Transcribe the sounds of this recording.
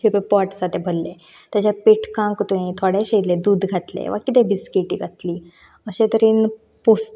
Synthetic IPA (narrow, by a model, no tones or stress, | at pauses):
ipepɔʈsad̪ʱɛbʱəlːe | t̪jat͡ɕapeʈkãŋkt̪ũĩt̪ʰɔɽeɕejled̪uːd̪ɡʱat̪lḛʋa̰kit̪̬ɛbiskiʈḭːɡʱat̪liː | əɕẽt̪əɾiːn | pos